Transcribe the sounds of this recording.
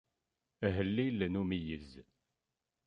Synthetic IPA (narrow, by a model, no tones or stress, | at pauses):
ɦəlːilnumijəz